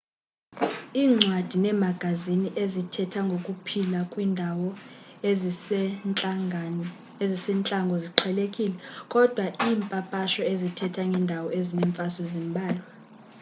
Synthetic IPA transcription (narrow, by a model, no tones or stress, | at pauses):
iːŋ͡ǀʱwad̥ʱinɛmaɡ̥ʱaziniʔezitʰɛtʰaŋɡʱokʼupʰilakʼwindʱawɔ | ezisɛnt͡ɬʼaŋɡʱɔziǃʰɛlekʼilɛkʼɔd̥ʱwaʔiːmpʼapʼaʃɔezitʰɛtʰaŋɡʱɛndʱawɔezinɛɱfʼasɔzimbʱaːlwa